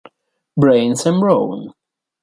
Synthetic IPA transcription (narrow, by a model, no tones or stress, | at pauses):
bɹẽɪ̃nsɨ̃nɹoʊ̃n